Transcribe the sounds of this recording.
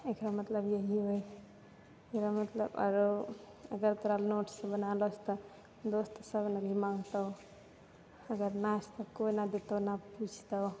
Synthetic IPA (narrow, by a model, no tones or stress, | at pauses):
ekɾamət̪ləbjeɦiɦoj | ekɾamət̪lə̰bə̰ɾo | əɡəɾt̪əɾalnoʈsʌ̃bənalosʰt̪ɔ | d̪ost̪ɔsəbnabʱimaŋt̪ə | əɡəɾnast̪ɔkoinad̪et̪əwnaput͡ʃʰt̪ə